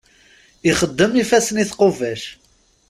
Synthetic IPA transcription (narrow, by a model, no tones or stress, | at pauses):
iχəd̪ːəmifæsəniθqovæʃ